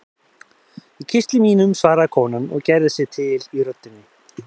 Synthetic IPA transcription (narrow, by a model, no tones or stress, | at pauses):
icʰɪst̪lɪmiːnʏmsvaːɾakʰɔːnanɔ̰ɣcɛɾðɪsɛt̪ʰɪliɾœt̪ːʏnːɪ